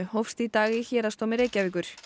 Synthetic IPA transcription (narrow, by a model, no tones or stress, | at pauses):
hɔfst̪it̪aːɣɪçɛːɾast̪omɪɾejcavɪːk̬ʏɾ̥